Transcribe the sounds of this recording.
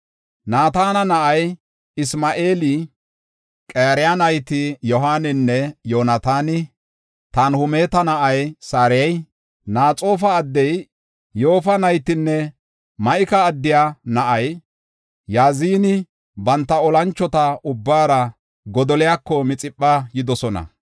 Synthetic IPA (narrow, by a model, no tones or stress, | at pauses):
naːt̪aːnɐnɐʔɐj | ɪsmaʔeːlɪ | kʼeːɾɪjanɐjt̪ɪjɔɦaːnɪnːɛjoːnɐt̪aːnɪ | t̪ɐnhʊmeːt̪ɐnɐʔɐjsaːɾɪjɐj | naːt͡sʼo̞ːfɐːd̪ːɛj | jo̞ːfɐnɐjt̪ːɪnːɛ | mɐʔɪkɐːd̪ːɪjanɐʔɐj | jaːziːnɪ | bɐnt̪ːɐɔlɐnt͡ʃːɔt̪ɐʔʊbːaːɾɐ | ɡɔd̪ɔlɪjakːɔmɪt͡sʼɪpʼːɐjɪd̪ɔsɔnɐ̰